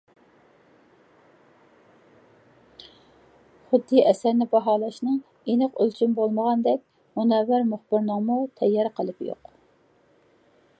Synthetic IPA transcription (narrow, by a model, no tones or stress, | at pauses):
χʊd̪ːiʔɛsæɾnɪbɑɦɑːlˠɑʃnɨŋ | enəqølt͡ʃʰynbolˠməʁɑnd̪ɛk̚ʲ | munɛwɪɾmʊχbɪɾnəŋmut̪ʰɛjːɑɾqʰəlˠɨpjo̰q